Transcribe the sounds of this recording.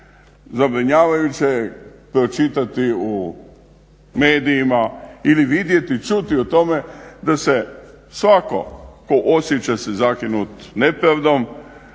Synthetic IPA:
zabɾiɲaːʋajut͡ɕepɾo̞t͡ʃit̪at̪iu | me̞ːd̪ijːmailiʋid̪je̞t̪it͡ʃut̪iut̪o̞me̞d̪ase | sʋako̞̰ko̞ʔo̞sjet͡ɕasezakinut̪nepɾaʋd̪o̞m

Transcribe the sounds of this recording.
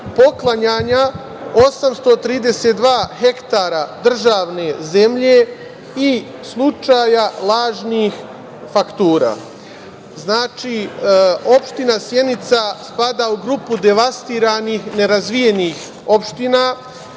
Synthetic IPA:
po̞klˠaɲaːɲa | o̞samst̪o̞t̪ɾiːd̪e̞seːt̪d̪ʋaːhe̞kt̪aːɾad̪r̩ʒaːʋne̞ze̞mʎe̞ | i | slˠut͡ʃaːjalˠaːʒniːx | fakt̪uːɾa̰ː | znaːt͡ʃiː | o̞pʃt̪inasje̞nit̪saspad̪auɡɾupud̪e̞ʋast̪iːɾanixne̞ɾazʋije̞niːx | o̞pʃt̪ina

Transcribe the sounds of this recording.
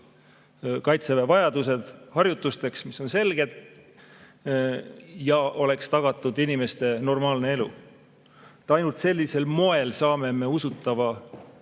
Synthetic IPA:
kɑjt̪sevevɑjɑd̪̥use̞d̪̥hɑrjut̪ːˑust̪e̞ksmiso̞nse̞lɡ̥e̞t̪ | jɑʔo̞le̞kst̪ɑɡ̥ɑt̪ːˑud̪inime̞st̪e̞no̞rmɑːlnee̞lṵ | t̪ːɑjnult̪se̞lʲːise̞lmo̞e̞lsɑːme̞me̞usut̪ːˑɑvɑ

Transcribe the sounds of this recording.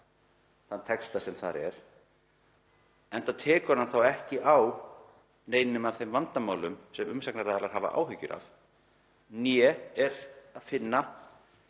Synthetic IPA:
θant̪ʰɛkst̪asɛmθa̰ɾɛ̰ɾ̥ | ɛnt̪at̪ʰɛːkʏɾnanθawɛhcɪʔaw | neːjnɪnʏmavθejmvant̪amaːwlʏmsɛmʏmsaknaɾaːðaɾlaɾ̥ɦaːva̰ʔa̰ːwɦʏcːʏ̰ɾa̰v | njɛɛɾaðfɪnːa

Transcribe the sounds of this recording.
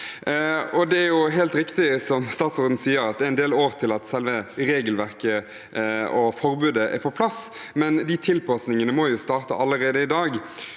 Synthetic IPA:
ɔd̪ɛæɾjʊɦeːlt̪ɾɪkt̪ɪsɔmst̪ɑːt̪sɔɾd̪n̩siːəɾɑt̪̚æɪnd̪eːloːɾʁt̪ʰɪlɑt̪sɛlʋəɾeːɡəlʋæʁkə | ɔfɔɾbʉːd̪əʔɛ̰ɾpʰɔpʰlɑs | mɛnd̪it̪ʰɪlpɑsnɪŋənəmɔjʊst̪ɑːɾt̪ə̰ʔɑlːəɾeːd̪əɪd̪ɑːɡ

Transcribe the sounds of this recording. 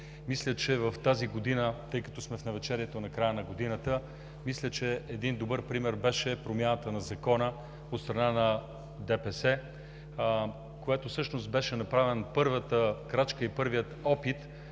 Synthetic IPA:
mislʲət͡ʃɛvɐft̪aziɡod̪inət̪ɤjkɐt̪ɔsmɛfnɐvɛt͡ʃɛɾiɛt̪onɐkɾajənɐɡod̪inət̪ə | mislʲət͡ʃɛɛd̪ind̪obɤɾpɾimɛɾbɛʃɛpɾomʲjanət̪ənɐzɐkɔnə | ot̪st̪ɾɐnanɐ | d̪ɛpɛsɛ | koɛt̪ofsɤʃnost̪̚bɛʃɛnɐpɾavɛnpɤɾvət̪əkɾat͡ʃkəipɤɾvijət̪ɔpit̪

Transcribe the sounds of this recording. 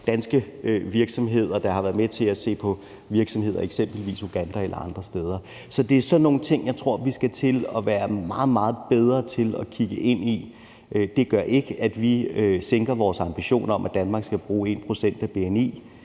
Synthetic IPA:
d̥ænsɡ̥ə | ʋiɐɡ̥sɒ̽mɦe̝ð̰ˠɐd̥ɑ̈hɑ̈ʋæːɐð̩ˠmet͡sʰe̝læse̝̰ːpʰɒ̽ | ʋiɐɡ̥sɒ̽mhe̝ð̞̰ˠɐeɡ̥sem̰b̥lʋḭːso̝ɡ̥ænd̥æelʔɐɑ̈nd̥ʁɐsd̥eːð̞ˠɐ | sɒ̽d̥e̝æɐsɒ̽nːo̝ːn̩t͡sʰe̝ŋ̰jɑ̈ɪt͡sʰʁo̝ɐ̰ʋisɡ̥æt͡sʰe̝lɒʋæːɐmɑ̈ːð̞̩ˠmɑ̈ːð̞̩ˠb̥eð̞ˠʁɐt͡sʰe̝lɒkʰiɡ̥əʔe̝n̰i | ød̥e̝ɡ̥ɶɐ̰ʔe̝ɡ̥əʔæd̥ʋiøseŋɡ̥ɐʋɒːsɑ̈mb̥iɕo̝̰ːnɐɒ̽mʔæd̥ænmɑ̈ɡ̥sɡ̥æb̥ʁuːe̝̰ːnpʰʁo̝sen̰d̥æb̥e̝enḭː

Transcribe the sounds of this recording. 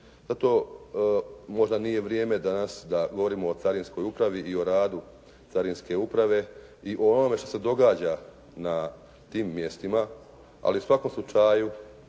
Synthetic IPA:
zat̪o̞ | mo̞ʒd̪anije̞ʋɾje̞ːme̞d̪anasd̪aɡo̞ʋo̞ɾiːmo̞ːt̪saɾinsko̞jupɾaʋiʔio̞ɾaːd̪u | t̪saɾinske̞upɾaʋe̞ | iʔoonome̞ʃt̪ose̞d̪o̞ɡaːd͡ʑa | na | t̪iːmːje̞st̪ima | a̰liusʋakomslut͡ʃaju

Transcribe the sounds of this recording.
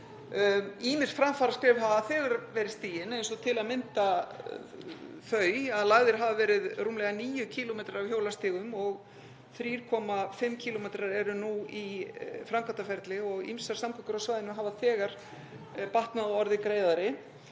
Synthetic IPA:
iːmɪsfɾamfaɾaskɾɛːvɦavaθɛːɣaɾvɛːɾɪst̪iːjɪnejnsɔt̪ʰɪlaðmɪnt̪a | fœːɥaðlaɣðɪɾ̥ɦavavɛːɾɪðruːmlɛɣaniːjʏcʰiːlɔmejt̪ɾaɾav̥çjoːwlast̪ɪːɣʏmɔɣ | θɾiːɾ̥kʰɔːmafɪmːcʰilɔmejt̪ɾaɾɛɾʏnuifɾamkʰat̪afɛɾt̪lɪɔɣḭmsaɾ̥samkʰœkʏɾawsvaːjðɪnʏmɦaːvaθɛːɣaɾ̥ | paht̪naðɔɾðɪkɾeːjðaɾɪ

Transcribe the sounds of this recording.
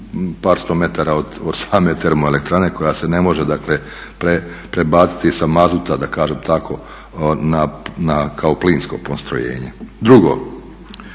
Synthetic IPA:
paːɾst̪oːme̞t̪aɾaod̪od̪̥saːme̞t̪e̞ɾmoele̞kt̪ɾaneko̞jase̞ne̞mo̞ʒed̪akle | pɾe | pɾebaːt̪si̥t̪isamazut̪ad̪akaːʒeːmt̪akʰo̞ | nanakʰao̞pliːnsko̞̰post̪ɾo̰jḛːɲḛd̪ɾuɡoː

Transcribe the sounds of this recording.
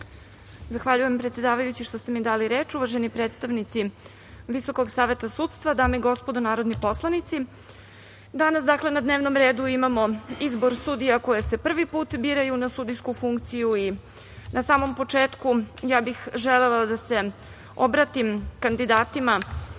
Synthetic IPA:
zaxʋaʎuje̞mpɾet̪sje̞d̪aːʋajut͡ɕiʃt̪ost̪e̞mid̪aːliɾe̞ːt͡ʃuʋaʒenipɾeːt̪st̪aʋnit̪si | ʋiso̞ko̞ɡsaːʋe̞t̪asut̪st̪ʋad̪aːmeiɡo̞spod̪onaːɾod̪nipo̞slˠanit̪si | d̪anasd̪akle̞nad̪ne̞ːʋno̞mɾe̞ːd̪uimamo̞izbo̞ɾsud̪ijako̞jese̞pr̩ʋipuːt̪biɾajunasud̪ijskufuŋkt̪sijui | nʔasaːmo̞mpo̞t͡ʂeːt̪kujaːbixʒelelˠad̪ase̞ | o̞bɾat̪imkand̪id̪aːt̪ima

